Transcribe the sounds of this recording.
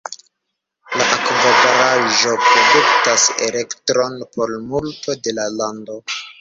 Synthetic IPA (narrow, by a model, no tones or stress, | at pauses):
laʔakvovaɾaʒo̞pɾo̞duktasḛle̞ktɾo̞npo̞lmultʰo̞de̞lalando̞